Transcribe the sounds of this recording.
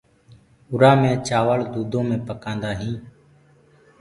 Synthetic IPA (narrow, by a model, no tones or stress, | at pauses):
ʊɾaːmẽːt͡ʃaːʋəɭd̪uːd̪ʱõːmẽːpəkãːnd̪aːɦĩː